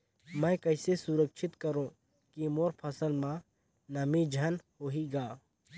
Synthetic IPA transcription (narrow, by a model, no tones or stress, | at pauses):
mɛ̃kɐɪsesuɾəkʃʰɪt̪kɐɾõː | kimoːɾpʰɐsəlmã | nɐmid͡ʒʱɐnhoɦiɡaː